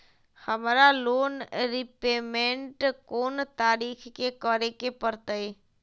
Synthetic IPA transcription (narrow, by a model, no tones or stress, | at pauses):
həmɾaloːnɾɪpeːmẽɳʈkoːnt̪aːɾiːkʰkekəɾekepəɾt̪əe